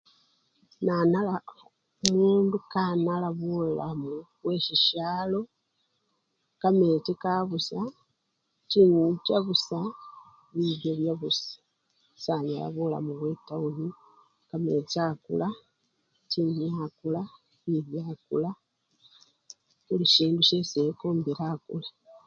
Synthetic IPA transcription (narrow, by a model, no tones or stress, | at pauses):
nanala | umuːndukanalaβulamuβwe̞ʃiʃalo̞ | kametikaβusa | tiɲit͡ʃaβusa | βiβjoβjaβusḁ | sanala̰βula̰muβwetauli | kamet͡ʃakṵla | tiɲiakula | βiβjakula | βuliʃiːnduʃesekoːmbilakṵla